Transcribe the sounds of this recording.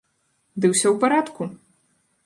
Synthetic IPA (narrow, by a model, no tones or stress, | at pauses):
d̪ɨwsʲɔwpaɾat̪ku